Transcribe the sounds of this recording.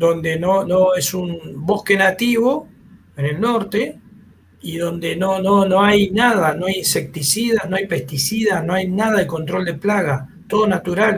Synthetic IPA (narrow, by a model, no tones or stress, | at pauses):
d̪o̞nd̪e̞nono̞e̞sumbo̞hke̞nat̪iβo̞ | ene̞lno̞ɾt̪e̞ | iðo̞nd̪e̞nonono̞ajnaðanoajinse̞k̚t̪isiðanoajpe̞st̪isiðano̞ajnaðaðeko̞nt̪ɾo̞ld̪e̞plaɣat̪o̞ð̞o̞nat̪uɾal